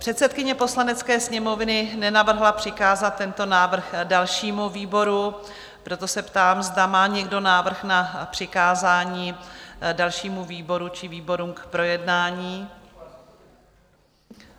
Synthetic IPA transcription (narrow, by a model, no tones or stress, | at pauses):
pr̥ɛt̪sɛt̪̚kɪɲɛpo̞slanɛt͡skɛːsɲɛmo̞vnɪnɛnavr̩ɦlapr̝̥ɪkaːzat̪̚ːɛnt̪o̞naːvr̩xdalʃiːmuviːbo̞ɾu | pɾo̞t̪o̞sɛpt̪aːmzdamaːɲɛɡdo̞naːvr̩xnapr̥ɪkaːzaːɲiːdalʃiːmuviːbo̞ɾut͡ʃɪviːbo̞ɾuːmkpɾo̞jɛdnaːɲiː